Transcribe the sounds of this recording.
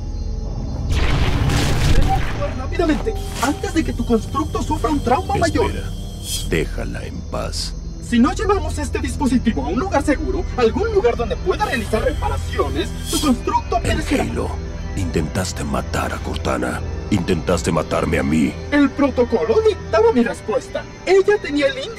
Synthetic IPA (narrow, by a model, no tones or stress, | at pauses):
benakoɾrapiðamẽnt̪e̞ | ant̪e̞zðe̞ke̞t̪uko̞nst̪ɾuk̚t̪o̞sufɾaunt̪ɾawmamaʝoɾa | d̪exa̰la̰empa̰s | sino̞ʝeβamo̞se̞st̪e̞ðispo̞s̬it̪iβo̞aunluɣaɾse̞ɣuɾoalɣunluɣaɾðo̞nd̪e̞pwe̞ðare̞alisaɾre̞paɾasjo̞ne̞s | t̪uko̞nst̪ɾuk̚t̪oapeɾeseealo̰ | int̪ent̪ast̪e̞ma̰t̪a̰ɾako̞ɾt̪a̰na̰int̪ent̪ast̪e̞mat̪aɾmea̰mie̞lpɾo̞t̪o̞ko̞lo̞d̪ikt̪aβamirespwe̞st̪a | e̞ʝat̪e̞niaelin